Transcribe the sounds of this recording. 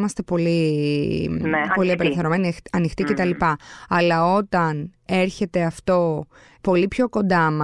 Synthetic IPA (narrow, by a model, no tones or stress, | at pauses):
mɐst̪e̞po̞li | ppo̞lieɐpeleθeɾo̞meniɐnixt̪ice̞t̪ɐlipɐɐlɐo̞t̪ɐne̞ɾçe̞t̪e̞ɐft̪o̞ | po̞lipço̞ko̞nd̪ɐmɐ